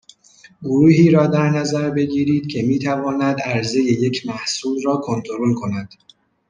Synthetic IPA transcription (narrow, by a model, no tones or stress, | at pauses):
ɡoɾuːɦiːɾɒːd̪æɾnæzæɾbe̞ɟiːɾiːd̪̥̚cʲʰe̞miːt̪ʰævɒːnæd̪æɾze̞je̞je̞cʰmæhsuːd̪ɾɒːkʰo̞nt̪ʰo̞ɾo̞lkʰo̞næd̪̥